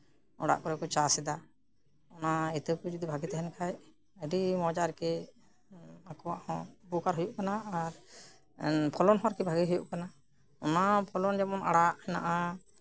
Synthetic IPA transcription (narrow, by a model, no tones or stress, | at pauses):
ɔ̰ɽa̰ʔkɔɾɛkɔt͡ʃasɛd̪a | ɔnaɛt̪əwkud͡ʒɔd̪ibʱaɡit̪ɛɦɛnkʰaj | əɖimɔd͡ʒaɾkɛ | akɔwaʔhɔ̃bukaɾɦujuʔkanaːɾ | pʰɔlɔnɦɔaɾkɛbʱaɡiɦujuʔkana | ɔnapʰɔlɔnd͡ʒamɔna̰ɽaʔhɛna̰ʔa